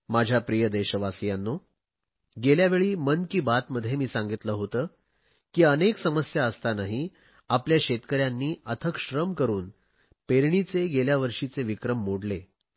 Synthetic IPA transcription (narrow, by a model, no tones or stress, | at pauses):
mad͡ʑʱjapɾijəd̪eɕəʋasijanːoː | ɡeljaʋeɭiːmənkiːbat̪məd̪ʱjemiːsãŋɡit̪ləːɦot̪əː | kiːəneksəməsjaəst̪anaɦi | apljaɕet̪kəɾjanːiːət̪ʰəkɕɾəmkəɾuːn | peɾɳit͡seɡeljaʋəɾʂit͡seʋikɾəmːoɽle